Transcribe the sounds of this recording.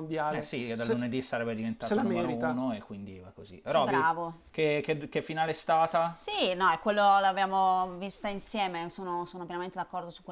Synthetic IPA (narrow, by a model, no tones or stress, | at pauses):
bjaɛsid̪alːuned̪isaɾɛbːed̪ivent̪aːtaiunoekːwind̪ivakozḭpɾɔbɾaːvo | kek̟ek̟efːinaːleɛst̪aːt̪asinɔɛkːwelːolabjaːmovist̪ainsjɛːmesoːnosoːnopjɛnament̪ed̪akːɔrd̪osu̥kːw